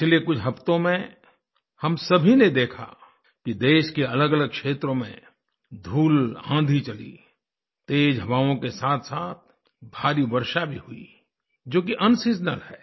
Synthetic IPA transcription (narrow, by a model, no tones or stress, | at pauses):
t͡ʃʰɪlekʊt͡ʃʰɦɐpt̪õmẽ | hɐmsɐbʱined̪eːkʰa̰ | kid̪eːʃkeɐləɡələɡ̚kʃeːt̪ɾõmḛ̃ | d̪ʱuːlã̰ːd̪ʱit͡ʃɐlḭ | t̪eːd͡ʒɦɐʋaːõkesaːt̪ʰsaːt̪̚ | bʱaːɾiʋəɾʃabʱiɦʊḭ | d͡ʒoːk̬iʔɐnsɪd͡ʒnəlɦɛː